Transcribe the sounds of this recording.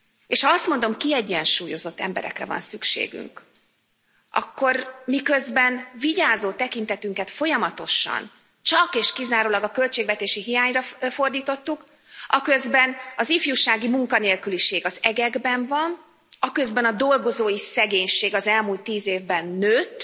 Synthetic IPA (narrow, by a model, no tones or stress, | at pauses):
eːʃhɒɒst̪mo̞nd̪o̞mkiɛɟːɛnʃuːjo̞zo̞t̪ːɛ̰mbɛ̰ɾɛ̰krɛ̰vɒ̰nsykʃḛːɡy̰ŋk | ʔɒ̰kːo̞rmikøzbɛnviɟaːzoːt̪ɛkint̪ɛt̪yŋkɛt̪fo̞jɒmɒt̪o̞ʃɒ̰n | t͡ʃɒkeːʃkizaːɾoːlɒɡɒkø̞lt͡ʃeːɡvɛt̪eːʃiɦijaːɲrɒfo̞rd̪iːt̪o̞t̪ːuk | ɒkø̞zbɛnɒzifjuʃaːɡimuŋkɒneːlkyliʃeːɡɒzɛɡɛɡbɛɱvɒn | ɒkø̞zbɛnɒd̪o̞lɡo̞zoːjisɛɡeːɲʃeːɡɒzɛlmult̪ːiːzeːvbɛnːøːt̪ː